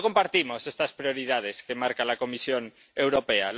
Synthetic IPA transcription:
ko̞mpaɾt̪imo̞sest̪aspɾjo̞ɾið̞að̞e̞ske̞maɾkalako̞misjon | e̞wɾo̞peal

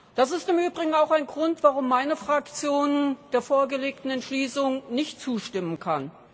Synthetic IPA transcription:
d̥as̬ɪstɪmʔyːbʁɪɡŋ̩aʊxaɪnɡʁʊntv̥aʁʊmːaɪnəfʁ̥akt͡sjoːnd̥eːɐfoːɐɡəleːk̚tn̩ɛntʃliːsʊŋnɪçtt͡suːʃtɪmənkʰan

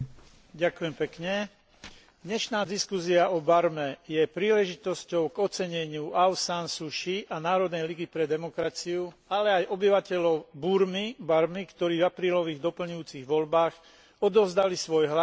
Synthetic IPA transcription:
ɟakujɛmpɛkɲɛ | d̪ɲɛʃnaːd̪iskusiaʔɔbaɾmɛjɛpɾiːlɛʒit̪ɔscɔʊɡɔt͡sɛɲɛɲɪuʔaʊsansuʃiʔanaːɾɔd̪nɛjliɡipɾɛd̪ɛmɔkɾat͡siualɛajʔɔbiʋacɛʎɔʊbuɾmibaɾmikt̪ɔɾiːvapɾiːlɔʋiːɣd̪ɔpl̩ɲujuːt͡siɣʋɔʎbaːx | ɔd̪ɔʋzd̪alisʋɔjɦla

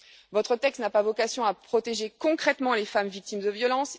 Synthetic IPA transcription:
vɔt̪χət̪ɛkst̪napavɔkasjɔ̃apχɔt̪eʒekɔ̃kχɛt̪mɑ̃lefamvik̚t̪imd̪əvjɔlɑ̃s

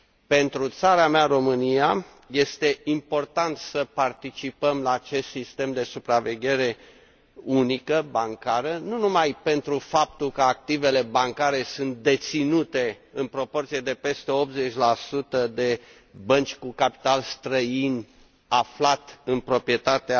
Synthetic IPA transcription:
pe̞nt̪ɾut̪saɾamearo̞mɨnija | je̞st̪e̞ʔimpo̞rt̪ant̪səpart̪it͡ʃipəmlaːt͡ʃe̞st̪sist̪e̞md̪e̞supɾave̞ɡʲe̞ɾe̞ | unikəbaŋkaɾənunumajpe̞nt̪ɾufap̚t̪ulkəak̚t̪ive̞le̞baŋkaɾe̞sunt̪̚d̪e̞t̪sinut̪e̞ | ɨnpɾo̞po̞rt̪sijed̪e̞pe̞st̪e̞o̞p̪̚ze̞t͡ʃʲlasut̪əd̪e̞ | bənt͡ʃʲkukapi̥t̪alst̪ɾəin | aflat̪ɨnpɾo̞pɾije̞t̪at̪ea

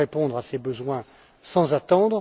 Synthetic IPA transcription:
epɔ̃d̪ʁasebəzwɛ̃ | sɑ̃zat̪ɑ̃d̪ʁ

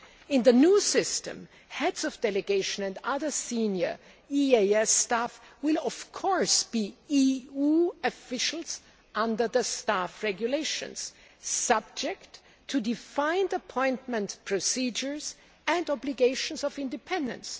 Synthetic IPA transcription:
ɪ̃nðɨnusɪstɨ̰̃m | hɛdzɔvdɛlɨɡeɪʃə̃nɛ̃ndʌðə˞sĩnjə̰˞ | ieɛstafwɪlˠɔv̥kʰɔɹsb̥iiuɨfɪʃl̩ˠz̥ | ʔʌ̃ndə˞ðəstafɹɛɡjuleɪʃɨ̰̃ns | sʌb̚d͡ʒɛktʰː | ɨdɪfãɪ̃ndəpʰɔ̃ɪ̃ntmɨ̃ntpʰɹ̥osid͡ʒə˞z | ɨ̃ndɔblɪɡeɪʃə̃nzɔvɪ̃ndɨpʰɛ̃ndɨ̰̃ns

